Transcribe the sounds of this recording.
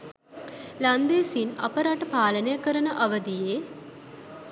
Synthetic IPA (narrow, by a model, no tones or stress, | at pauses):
lɐnd̪esinɐ̰pəɾaʈəpaːlənejəkəɾənəʔɐʋəd̪ije